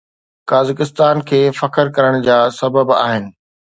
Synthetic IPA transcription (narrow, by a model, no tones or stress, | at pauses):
kaːzɪkɪst̪aːnkʰeːfɐkəɾkɐɾəɽ̃d͡ʑaːsɐbəba̰ːɦɪnɪ̆